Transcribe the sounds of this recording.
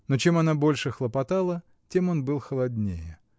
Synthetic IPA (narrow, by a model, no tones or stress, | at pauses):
no̞t͡ɕe̞mɐnabo̞lʲʂɨxlˠəpɐt̪alˠə | tʲe̞mo̞nbɨlˠxəlˠɐdʲnʲejɪ